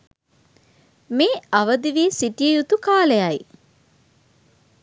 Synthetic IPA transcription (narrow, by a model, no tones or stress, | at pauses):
meːaʋəd̪iʋiesiʈijəjut̪ukaːləjaj